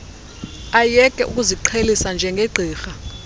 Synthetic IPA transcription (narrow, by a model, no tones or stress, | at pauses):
ajɛkʼɛ̰ʔṵk̬ʼuziǃʰelisand͡ʒʱɛŋɡʱeɡ͡ǀʱiːxa